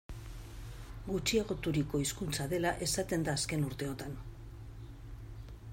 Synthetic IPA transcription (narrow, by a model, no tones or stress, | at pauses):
ɡut͡ʃie̞ɣ̞o̞t̪uɾiko̞iskunt͡saðe̞laʔe̞sat̪e̞nd̪aːske̞nuɾt̪e̞o̞t̪an